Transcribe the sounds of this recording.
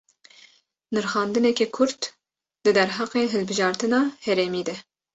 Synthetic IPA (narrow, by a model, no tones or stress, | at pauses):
nɨɾxɑːnd̪ɨnɛkɛkʰʊɾt̪ | d̪ɨd̪ɛɾɦɑːqeːɦɨlbɨʒɑːɾt̪ɨnɑːhɛɾɛmiːd̪ɛ